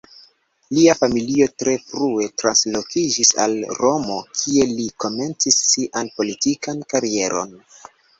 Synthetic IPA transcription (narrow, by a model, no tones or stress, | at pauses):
liafamilio̞tɾe̞fɾue̞tɾanslo̞kid͡ʒisa̰lɾo̞mo̞kʰie̞liko̞me̞nt͡sisːiʔanpo̞litikankaɾie̞ɾo̞̰n